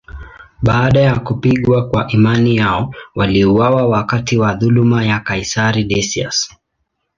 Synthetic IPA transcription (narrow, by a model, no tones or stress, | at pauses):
ɓaːɗajakupiɠwakwaʔimanijaɔwaliuwawawakatiwaðulumajakaisaɾiɗɛsia̰s